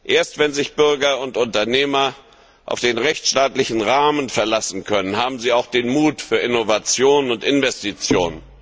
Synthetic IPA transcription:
ʔeːɐstv̥ɛnzɪçb̥ʏɐɡɐʊntʊntɐneːmɐ | ʔa̰ʊfd̥eːnʁɛçt͡sʃtaːtlɪçn̩ʁaːmənfɛɐlasn̩kʰœnənhaːbm̩ziːaʊxd̥eːnmuːtfyːɐʔɪnovat͡sjoːnənʊntʔɪnvɛstit͡sjoːnən

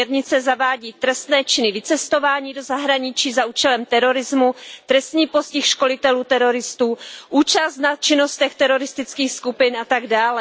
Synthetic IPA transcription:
ɛɾɲɪt͡sɛzavaːɟiːt̪ɾɛst̪nɛːt͡ʃɪnɪvɪt͡sɛst̪o̞vaːɲiːdo̞zaɦɾaɲɪt͡ʃiːzaʔuːt͡ʃɛlɛmt̪ɛɾo̞ɾɪzmut̪ɾɛst̪ɲiːposcɪxʃko̞lɪt̪ɛluːt̪ɛɾo̞ɾɪst̪uːʔuːt͡ʃast̪nat͡ʃɪno̞st̪ɛxt̪ɛɾo̞ɾɪst̪ɪt͡skiːxskupɪnat̪aɡdaːlɛ

